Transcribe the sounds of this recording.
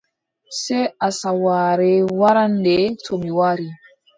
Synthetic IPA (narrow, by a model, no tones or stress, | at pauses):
seasawaɾewaɾandetomiwaɾi